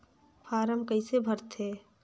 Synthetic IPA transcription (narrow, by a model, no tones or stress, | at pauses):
pʰaːɾəmkəisebʱəɾt̪ʰeː